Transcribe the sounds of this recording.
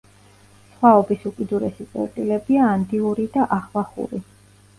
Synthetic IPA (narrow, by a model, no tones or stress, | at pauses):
sχwaɔbisukʼwid̪uɾɛsit̪sʼɛ̰ɾt̪ʼilɛbiaːnd̪iuɾid̪aʔaχvaχṵɾi